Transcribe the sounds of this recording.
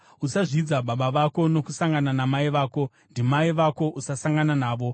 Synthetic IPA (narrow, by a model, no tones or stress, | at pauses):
usaʐid͡zaɓaɓaʋako̞no̞kusaŋɡananamaiʋaːko̞ | ndimaiʋako̞ʔusasaŋɡananaːʋo̞